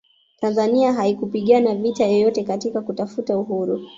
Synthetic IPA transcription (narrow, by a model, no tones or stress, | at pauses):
tanzaniaɦaikupiɠanavitajɔjɔtɛkatikakutafutauɦuɾu